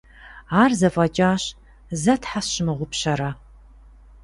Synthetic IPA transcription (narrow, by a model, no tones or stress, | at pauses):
aːrzɐfʼɐt͡ʃʼaːɕ | zɐtħasɕɪmɨʁʷʊpɕɐɾɐ